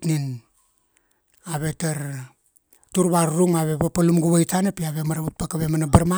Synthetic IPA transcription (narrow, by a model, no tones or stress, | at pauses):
nin | aβe̞taɾ | tuɾβaɾɾuŋaβe̞βapalumɡuβajtanapiaβe̞maɾaβut̚pakaβe̞manabaɾma